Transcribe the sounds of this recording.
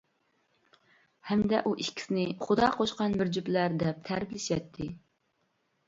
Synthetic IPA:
hɛmd̪ɛʔuʔiʃkʲʰi̥sɪnɪχʊd̪ɑqʰoʃqɑnbɪɾd͡ʒyplæɾd̪ɛp̚t̪ʰæɾblɪʃjɛt̪ʰːɪ

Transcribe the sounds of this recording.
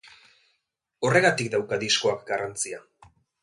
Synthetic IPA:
o̞re̞ɣat̪ikd̪awkaðisko̞akɡarant͡sia

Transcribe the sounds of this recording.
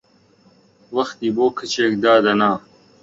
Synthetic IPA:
wɐxt̪iːboːkʰɐt͡ɕeːkd̪aːd̪ɐnaː

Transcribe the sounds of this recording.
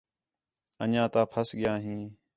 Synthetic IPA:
ənãːt̪ãːpʰəsɠɪjãːɦĩː

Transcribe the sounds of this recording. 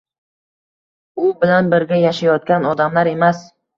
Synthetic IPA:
ʊbɪlanbɪɾɡʲajaʃajɒt̪̚kʲanɒd̪amlaɾe̞mas

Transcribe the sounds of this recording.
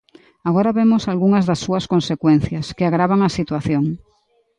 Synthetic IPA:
aɣoɾaβemosalɣuŋɐzðɐsːuɐskonsekwen̟θjɐskeaɣɾaβaŋasit̪waθjoŋ

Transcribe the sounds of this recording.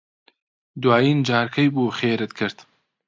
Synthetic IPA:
d̪waːjiːnd͡ʒaːɾkʰɐjbuːxeːɾɨt̪̚kʰɨɾt̪

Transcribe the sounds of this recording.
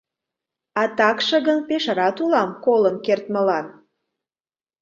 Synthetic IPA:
ɑt̪ɑkʃəɣənpeʃəɾɑt̪ulɑmkolənkert̪məlɑn

